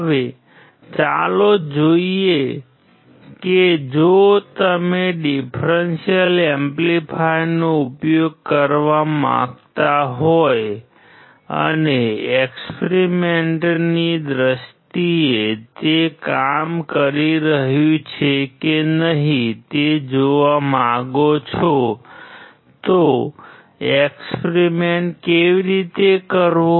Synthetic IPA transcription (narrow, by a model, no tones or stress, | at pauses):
ʋe | t͡ʃalod͡ʒoie | ked͡ʒot̪əmeɖifʰɾensijəlemplipʰajnoʊpjoɡ̚kəɾʋamã̰ɡt̪aɦoj | ə̰neekspeɾimeɳʈnid̪ɾəst̪iet̪ekamkəɾiɾəɦjũt͡ʃʰekenəɦĩt̪ed͡ʒoʋamãɡot͡ʃʰo | t̪o | ekspɾimeɳʈkeʋiɾit̪ekəɾʋo